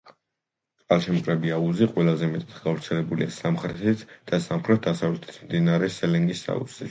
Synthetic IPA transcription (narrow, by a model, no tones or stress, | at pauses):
alˠʃɛmkʼɾɛbiauziqʼwɛlˠazɛmɛt̪ʼat̪ɡavɾt̪sʰɛlɛbulḭasamχɾɛt̪ʰit̪ʰd̪̥asamχɾɛt̪̚d̪asavlɛt̪ʰɛ̥sʰmd̪inaɾɛsɛlɛŋɡisa̰ṵ̥i